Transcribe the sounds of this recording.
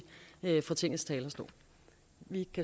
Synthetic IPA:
øfɒ̽t͡sʰe̝ŋ̰l̩st͡sʰɛːlɐsd̥o̰ː | ʋikʰæ

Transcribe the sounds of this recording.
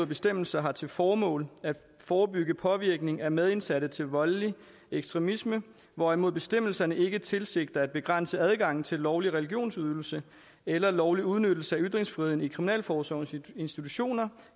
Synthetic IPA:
oð̩̰ˠb̥e̝sd̥em̰l̩sɐɦɑ̈t͡sʰe̝lfɒːmɔ̰̽ːlæd̥ | fɒːbyɡ̥əpʰɒ̽ʋiɐɡ̥ne̝ŋæmeðˠe̝nsæɾ̥ət͡sʰe̝lʋɒ̽li | eɡ̥sd̥ʁɛmismə | ʋɒæmo̝ðˠb̥e̝sd̥em̰l̩sɐnəe̝ɡ̥ət͡sʰe̝lse̝ɡ̥̚d̥ɐæd̥̚b̥e̝ɡ̥ʁan̰səæð̞ˠɡ̥ɑ̈ŋ̰n̩t͡sʰe̝lːɒʊliʁɛliɡ̥jo̝̰ːnsyðˠl̩sə | elɐlɒʊliuð̞ˠnød̥l̩səæyd̥ʁeŋsfʁiːenikʰʁiminɛ̰ːlfɒːsɒe̝nsd̥it͡sʰuɕo̝̰ːnɐ

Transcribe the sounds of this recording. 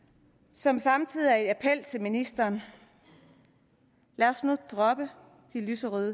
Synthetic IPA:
sɒ̽msɑ̈mt͡sʰið̰ˠiæɐe̝d̥æpʰel̰t͡sʰe̝lminisd̥ɐːn | læɐsnud̥ʁɒ̽b̥ə | d̥ilysəʁyðˠ

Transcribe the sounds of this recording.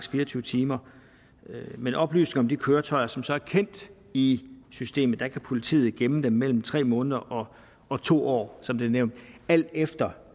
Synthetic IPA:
sfiːɐt͡sʰyːʊət͡sʰiːmɐ | menʔɒ̽b̥ly̰ːsne̝ŋɒ̽md̥ikʰøːɐt͡sʰɒ̽ɪɐsɒ̽msɒ̽æɐkʰen̰d̥ | isysd̥e̝̰ːməð̩ˠd̥ækʰæpʰo̝lit͡sʰḭːð̞̩ˠɡ̥emnəd̥emːel̰m̩t͡sʰʁɛ̰ːmɔ̽ːnəð̞ˠɐʔɒ̽ | ɒ̽t͡sʰo̝̰ːɒ̰ːsɒ̽md̥e̝neʊnd̥æl̰d̥efd̥ɐ

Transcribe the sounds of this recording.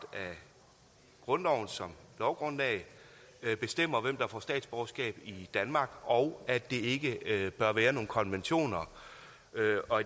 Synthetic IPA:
d̥æ | ɡ̥ʁɔ̽nɒʊ̰n̩sɒ̽mlɒʊɡ̥ʁɔ̽n̰ɛ̰ɪ | b̥e̝sd̥em̰ɐʋem̰d̥ɑ̈fɒsd̥ɛ̰ːd̥sb̥ɒʊsɡ̥ɛ̰ːb̥id̥ænmɑ̈ːɡ̥ɒ̽ʊæd̥e̝e̝ɡ̥əb̥ɶɐʋæːɐno̝ːnkʰɒ̽nʋenɕo̝̰ːnɐ | øɒ̽

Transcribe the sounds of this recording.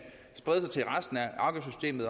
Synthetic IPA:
sb̥ʁɛðˠsɑt͡sʰe̝lʁasd̥n̩æʔɑ̈ɡ̥əsysd̥e̝̰ːmðˠ

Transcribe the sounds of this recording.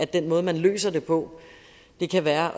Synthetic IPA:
æd̥enmɔ̽ːð̞̩ˠmænlø̰ːsɐd̥e̝pʰɒ̽ | d̥e̝kʰæʋæːɐʔ

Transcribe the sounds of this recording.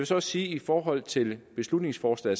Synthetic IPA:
ʋe̝sɒ̽ɒssiːifɒːɦɒ̽l̰t͡sʰe̝lb̥e̝slud̥ne̝ŋsfɒːslɛ̰

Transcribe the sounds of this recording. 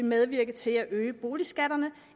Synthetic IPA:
emeð̞ˠʋiɐ̰ɡ̥əðˠt͡sʰe̝læʔøːəb̥o̝ːlisɡ̥æɾ̥ɐnə

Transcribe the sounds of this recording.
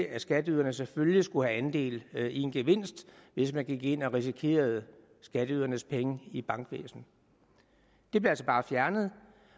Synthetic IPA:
æsɡ̥æd̥əyðˠɐnəseføljisɡ̥uhæænd̥e̝̰ːlie̝nɡ̥eʋe̝n̰sd̥ʋe̝smænɡ̥iɡ̥e̝n̰ɒʁis̬ikʰe̝̰ːɐð̞ˠ | sɡ̥æd̥əyð̰ˠɐnəspʰeŋəib̥ɑ̈ŋɡ̥ʋḛːsn̩ | d̥e̝b̥le̝æl̰sɒb̥ɑ̈ːfjæɐnəð̞̩ˠ

